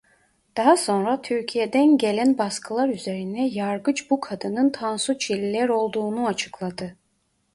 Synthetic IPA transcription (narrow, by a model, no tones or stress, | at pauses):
d̪̥ɑɦaso̞nɾat̪ʰyɾcʰijed̪ænɟelʲænbaskʰɯlˠaɾyze̞ɾinɛjaɾɡɯt͡ʃbukʰad̪ɯnɯnt̪ʰansut͡ʃʰilʲilʲæɾo̞lˠd̪uːnuat͡ʃʰɯ̥klˠad̪ɯ